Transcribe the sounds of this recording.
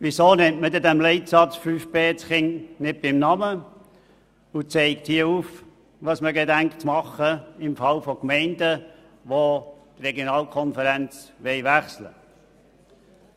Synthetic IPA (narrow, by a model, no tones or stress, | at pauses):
ʋisoːnɪmtmədɛdɛmlɛɪtsɑt͡sfyːfpeːt͡sχɪŋnɪt̚b̥ɪmnɑmə | ʊt͡sɛɪkthiəuːf | ʋɑsməɡedæŋkt͡smɑχəɪmfɑlfɔkmɛɪndə | ʋot̪rɛɡjonɑːlkʰɔnfəɾɛnt͡sʋɛɪʋæχslə̰